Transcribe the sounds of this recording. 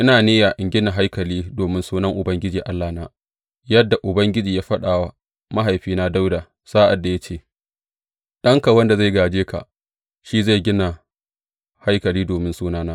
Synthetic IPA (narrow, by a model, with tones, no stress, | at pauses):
ʔɪ˦naː˨neː˦ja˨ʔɪ˨ŋɡʲɪ˦na˨ɦa˦jkɐ˨liː˦doː˨mɪ˦nsuː˦nɐ˦ŋʔʊ˨bɐ˦ŋɡʲɪ˦d͡ʒiː˨ʔa˦lːa˨naː˦ | jɐ˦dːa˨ʔʊ˨bɐ˦ŋɡʲɪ˦d͡ʒiː˨jaː˦ɸɐ˦ɗaː˨wa˦ | ma˦ɦa˨jɸiː˦na˦da˦wdaː˨ | saː˦ʔa˨dːa˨ja˦t͡ʃeː˦˨ | ɗɐ˦ŋka˨wɐ˦nda˨za˦˨jɡaː˨d͡ʒeː˦ka̰˨ | ʃiː˦za˦˨jɡʲɪ˦na˨ | ha˦jkɐ˨liː˦doː˨mɪ˦nsuː˦naː˦naː˦